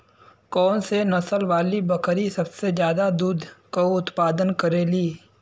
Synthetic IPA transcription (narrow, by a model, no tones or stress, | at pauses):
kɔːnsenɐsəlʋaːlibɐkɾisɐbsezjaːd̪ad̪uːd̪ʱkoʊt̪paːd̪ənkəɾeːliː